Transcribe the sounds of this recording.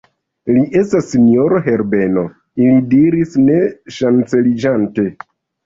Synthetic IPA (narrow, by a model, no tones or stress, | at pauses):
liʔe̞stasːinio̞ɾoɦe̞ɾbe̞no̞ | ilidiɾisne̞ʃant͡se̞lid͡ʒante̞